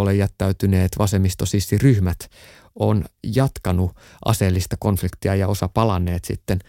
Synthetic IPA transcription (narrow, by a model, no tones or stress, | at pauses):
olejæt̪ːæyt̪yneːt̪ʋɑsemist̪osisːiryhmæt̪ | onjɑt̪kɑnu | ʔɑ̰seːlːist̪ɑkonflikt̪iɑjɑosɑpɑlɑnːˑeːt̪sḭt̪ːen